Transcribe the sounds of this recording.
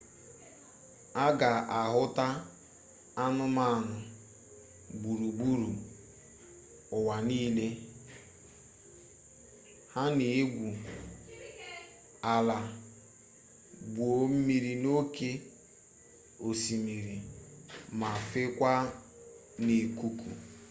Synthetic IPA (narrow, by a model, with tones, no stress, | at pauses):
a˦ɡa˨ʔa˨ɦʊ˦ta˦ | a˦nʊ˦ma˦a˨nʊ˨ | bu˨ɾu˨bu˦ɾu˨ | ʊ˨wa˨niː˦le˦ | ha˦ne˨e˦ɡʷu˨ | a˨la˨ | bo˨m̩˦mi˨ɾi˨no˦ke˦ | o˨si˨mi˨ɾi˨ | ma˨fe˦kʷa˦ | ne˨ku˦kṵ˨